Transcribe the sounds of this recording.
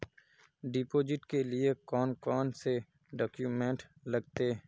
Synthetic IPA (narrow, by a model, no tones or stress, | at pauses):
ɖɪpoːd͡ʒɪʈkelɪekɔːnkɔːnse | ɖɔːkjuːmẽːɳʈləɡt̪eː